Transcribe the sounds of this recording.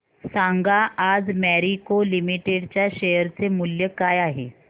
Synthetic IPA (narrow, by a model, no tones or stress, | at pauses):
sãŋɡaʔad͡zmɛɾikolimiʈeɽt͡ɕjaɕəjəɾt͡semuljəkajaɦḛ